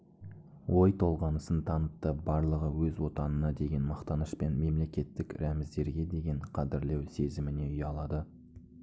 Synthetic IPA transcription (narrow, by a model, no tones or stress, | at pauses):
wʔo̞jt̪ʰo̞lˠʁɑnəsənt̪ʰɑnət̚t̪ːəbɑɾlˠəʁəwɵzwo̞t̪ɑnənɑd̪e̞ɡʲe̞nmɑqt̪ɑnəʃpe̞nme̞mle̞kʲe̞t̪ːɪkɾæmɪzd̪e̞ɾɡʲe̞d̪e̞ɡʲe̞ɴqʰɑd̪ɪɾle̞wse̞zɪmɪne̞ʏjɑlˠɑd̪ə